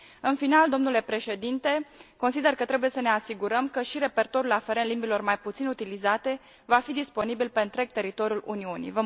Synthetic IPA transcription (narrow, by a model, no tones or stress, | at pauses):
ɨnfinald̪omnule̞pɾe̞ʃe̞d̪int̪e̞ko̞nsid̪e̞rkət̪ɾe̞buje̞səne̞asiɡuɾəmkəʃiɾe̞pe̞rt̪o̞ɾulafeɾenlimbilo̞rmajput̪sinut̪ilizat̪e̞ | vafid̪ispo̞nibilpe̞nt̪ɾe̞k̚t̪e̞ɾit̪o̞ɾʲjulṵniunḭvə